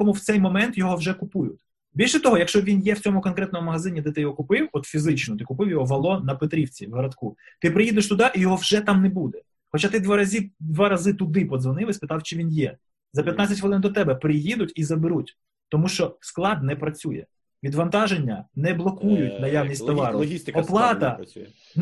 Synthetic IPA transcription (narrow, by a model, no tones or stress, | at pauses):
kɔmuwt̪sɛjmɔmɛnt̪jɔɦɔwʒɛkʊpujʊtʲ | bʲilʲʃɛt̪ɔɦɔjɐkʃt͡ʃɔʋʲinjɛwt͡sʲɔmʊkɔnkɾɛt̪nɔmʊmɐɦɐzɪnʲid̪ɛt̪ɪjɔɦɔkʊpɪwɔt̪fʲizɪt͡ʃnɔt̪ɪkʊpɪwjɔɦɔʋɐlˠɔnɐpet̪ɾʲiwt͡sʲiwɦɐɾɐd̪kut̪ɪpɾɪjid̪eʃt̪ʊd̪ɑʔijɔɦɔwʒɛt̪ɑmnɛbud̪ɛ | xɔt͡ʃat̪ɪd̪ʋɑɾɐzʲid̪ʋɑɾɐzɪt̪ʊd̪ɪpɔzʋɐnɪlˠɐsʲpɪt̪ɑwt͡ʃɪʋʲinjɛ | zɐpʲjɐt̪nat͡sʲɐtʲʋɔlˠɪnd̪ɔt̪ɛbɛpɾɪjid̪ʊtʲizɐbɪɾutʲ | t̪ɔmuʃt͡ʃɔsklˠɑd̪nɛpɾɐt͡sʲujɛ̰ | ʋʲid̪ʋɐnt̪ɑʒenʲːɐnɛblˠɔkujʊtʲnɐjawnʲist̪ʲt̪ɐʋɑɾʊist̪ɔplˠɑt̪ɐ